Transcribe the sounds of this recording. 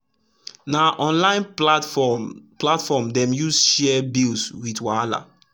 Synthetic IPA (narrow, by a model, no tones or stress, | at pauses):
naʔɔ̃nlãɪ̃n | platfɔmdɛ̃mjusʃɛbilswitwala̰